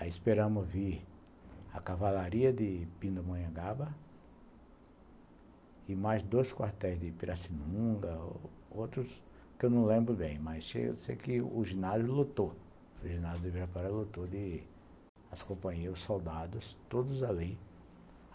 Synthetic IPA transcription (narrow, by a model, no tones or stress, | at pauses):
aiɪspeɾɐ̃mʊzvi | ɐ̰kavalaɾiɐd̪ɪpĩnd̪ɐmɐ̃ɲɐɡabɐ | ɪmajzd̪ojskwaɾt̪ɛjzd̪ɪpiɾʔasinũɡɐowt̪ɾʊs | kɪewnɐ̃w̃lẽmbɾʊbẽj̃mɐjsʃḛj̰̪sḛjkɪʊʒinazjʊlut̪o | ʊʒinazjʊd̪ɪviɾɐpaɾalut̪od̪ɪ | askõpɐ̃ɲejɾʊsowd̪ad̪ʊst̪od̪ʊzali